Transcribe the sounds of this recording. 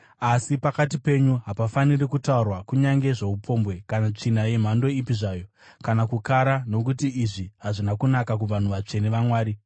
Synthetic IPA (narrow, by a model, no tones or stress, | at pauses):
asipakat̬ipe̞ɲuɦapafanirikutaurwakuɲaŋɡe̞ʐe̞upʰo̞mbwe̞kanat͡ʂinaje̞m̤ando̞ipiʐaːjo̞ | kanakukaɾano̞kutiːʐiɦaʐinakunakak̬uʋan̤uʋat͡ʂe̞neʋamwaːɾi